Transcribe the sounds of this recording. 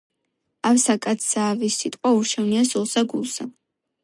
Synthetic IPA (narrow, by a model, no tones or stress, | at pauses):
awsakʼat̪saːvisːit̪ʼqʼauɾʃʰɛvniasɔlˠsaɡulˠsa